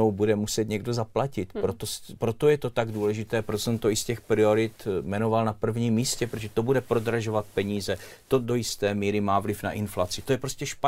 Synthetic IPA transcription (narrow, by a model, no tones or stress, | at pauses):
owbudɛmusɛt̪ɲɛɡdo̞zaplacɪt̪pɾot̪ospɾo̞t̪o̞jɛt̪o̞t̪aɡduːlɛʒɪt̪ɛːpɾot̪osɛmt̪oɪscɛxpɾɪo̞ɾɪt̪mɛno̞valnapr̩vɲiːmːiːscɛpɾoɛt̪o̞budɛpɾo̞dɾaʒo̞vat̪̚pɛɲiːzɛ | t̪o̞do̞jɪst̪ɛːmiːɾɪmaːvlɪfna̰ʔɪnflat͡sɪt̪o̞jɛpɾoscɛʃpa